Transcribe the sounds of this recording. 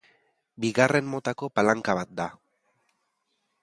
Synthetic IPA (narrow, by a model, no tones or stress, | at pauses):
biɣare̞nmːo̞t̪ako̞palaŋkaβ̞at̪̚d̪a